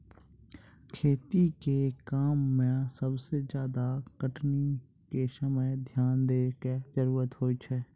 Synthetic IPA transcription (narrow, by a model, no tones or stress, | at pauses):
kʰeːt̪ikekaːmːẽsəbsed͡ʒjaːd̪akəʈni | kesəməjd̪ʱjaːnd̪eːked͡ʒəɾuːɾət̪ɦoːit͡ʃʰɛː